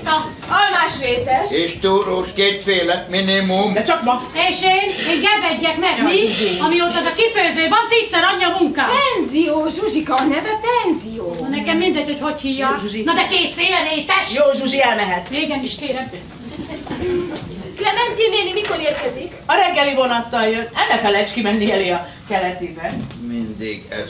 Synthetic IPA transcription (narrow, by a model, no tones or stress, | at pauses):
t̪ɒ | ɒlmaːʃreːt̪ɛʃeːʃt̪uːɾoːʃkeːt̪feːlɛkminimumd̪ɛt͡ʃɒkmɔt̪eːʃeːneːŋɡɛbɛɟːɛknɛɡmiɒmioːt̪ːɛzɒkiføːzøːvɒnt̪isːɛɾɒɲːɒmuŋkaːpɛnzijoːʒuʒikɒnɛvɛpɛnzijoːnɛkɛmːind̪ɛɟ̚ho̞chochijːɒuʒinɒd̪ɛkeːt̪feːlleːpɛʃjoːʒuʒiɛlmɛɦɛt̪eːɡɛniʃkeːɾɛmpe | lɛmɛnt̪ineːnimikoɾeːrkɛzikɒɾɛŋɡːɛlivo̞nɒt̪ːɒljønːɛnːɛkɒlɛt͡ʃkimɛnːiɛleːɒ | kɛlɛt̪iːbɛmind̪ḭɡ̰